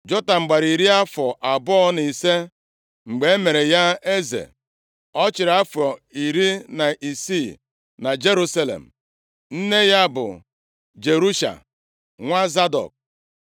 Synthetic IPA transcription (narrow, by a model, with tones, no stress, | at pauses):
d͡ʒɔ˦ta˨ŋ͡m̩˨ɡ͡ba˨ɾi˨ɾi˦a˦fɔ˨ʔa˨bɔ˦ni˨se˦ | ŋ͡m̩˨ɡ͡be˨e˦me˨ɾe˨ja˦e˦zḛ˨ | ɔ˦t͡ʃɪ˨ɾa˦fɔ˨i˨ɾi˦na˨ʔi˨si˦˨ | na˨d͡ʒe˦ɾu˦sa˦lḛ˨m̩˨ | n̩˦ne˦ja˦bʊ̰˨ | d͡ʒe˨ɾu˦ʃa̰˨ | ŋʷa˦za˦dɔ̰˨k̚